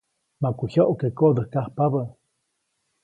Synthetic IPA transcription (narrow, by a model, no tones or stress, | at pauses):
makuhjoʔokekoʔd̪əhkahpaβə